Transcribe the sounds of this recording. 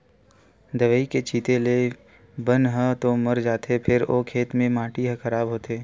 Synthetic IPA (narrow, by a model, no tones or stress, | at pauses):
d̪ɐʋəiket͡ʃʰiːt̪ele | bənɦət̪omɐɾd͡ʒaːt̪ʰepʰɪɾo̰ːkʰeːt̪mẽmãːʈiɦəkʰɐɾaːbɦoːt̪eː